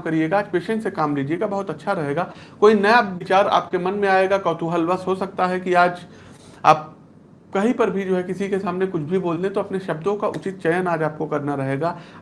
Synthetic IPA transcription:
kɐɾieːɡaːd͡ʒpeːʃə̃ɳʈsekaːmliːd͡ʒieːɡabɐɦʊt̪ɐtːʃʰaɾɐɦeːɡaːkoːinɐjaʋɪt͡ʃaːɾa̰ːp̚kemɐnmẽaːeːɡakɔːt̪ʰuɦəlʋɐsɦosɐk̚t̪aɦɛkiaːd͡ʒ | a̰ːp̚ | kɐɦipɐɾbʱid͡ʒoːɦɛkɪsikesaːmnekʊt͡ʃʰbʱiboːlt̪et̪oɐpneʃɐbd̪õkaʔʊt͡ʃɪt̪̚t͡ʃɐjənaːd͡ʒaːp̚kokɐɾnaɾɐɦeːɡaː

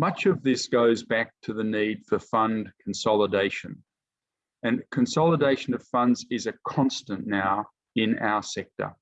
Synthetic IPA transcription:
mʌt͡ʃʌvðɪsɡ̥oʊzbæk̚tʰɨðɨnid̥fə˞fʌ̃nkʰn̩sɑlˠədeɪʃɨ̃n | ɨ̃nkʰɨ̃nsɑlˠədeɪʃɨ̃nʌv̥fʌ̃ndzɪzɨkʰɑ̃nstɨ̃nːaʊ | ɪ̃na̰ʊə˞sɛk̚tə̰˞

